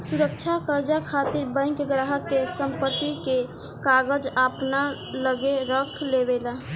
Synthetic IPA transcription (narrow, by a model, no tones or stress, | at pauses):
suɾək̚t͡ʃʰakəɾd͡ʒakʰat̪iɾbə̃ɪ̃kɡɾaɦəkːesəmpət̪ːike | kaɡəd͡ʒəpna | ləɡeɾəkʰlebela